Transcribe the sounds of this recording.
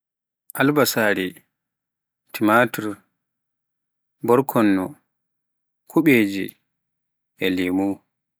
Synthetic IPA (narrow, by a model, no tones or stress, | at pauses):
ʔalbasaːɾi | timatuɾ | bɔɾkʰɔnːɔ̰ | kʰuɓeːd͡ʒḭ | ɛlimu